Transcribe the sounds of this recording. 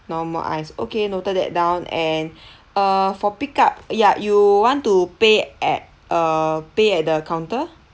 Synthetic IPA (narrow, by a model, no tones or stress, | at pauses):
nɔmə̰ʔã̰jso̰kenotədɛ̰t̚dãw̃nɛ̃n | əfɔpikap̚jajuwɔ̃ntupeʔɛt̚ | əpeɛt̚dəkãw̃ntə